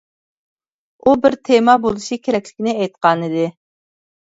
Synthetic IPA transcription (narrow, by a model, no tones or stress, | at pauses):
ubɪɾt̪ʰemɑbolˠɨʃikʲʰeɾɛkʲlɪkʲinɪɛjt̪̚qɑnɨd̪ɪ